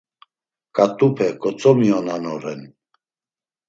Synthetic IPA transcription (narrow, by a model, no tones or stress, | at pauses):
kʼat̪ʼupʰɛkʼɔt͡sʼɔmiɔnanɔɾɛn